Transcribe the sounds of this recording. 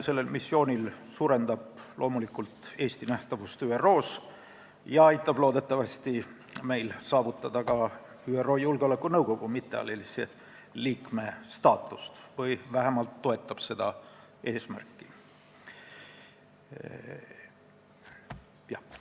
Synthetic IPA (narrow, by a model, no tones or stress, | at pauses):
se̞lːe̞lmisːjo̞ːnʲilsuːɾe̞nd̪̥ɑb̥lʔo̞ːmulikult̪e̞ːst̪inæht̪ɑvust̪yːero̞ːs | jɑɑjt̪ːˑɑb̥lo̞ːd̪̥e̞t̪ːˑɑvɑst̪i | me̞jlsɑːvut̪ːˑɑd̪̥ɑkɑ | yːero̞ːjulɡeo̞lekːˑunɤwko̞ɡ̥umit̪ˑːeɑ̰lelise | liːkme̞st̪ɑːt̪ˑːu̥st̪vɤjvæɦemɑlt̪ːo̞e̞t̪ːˑɑb̥se̞d̪̥ɑ̰ʔe̞ːsmæ̰rkːˑi | jɑ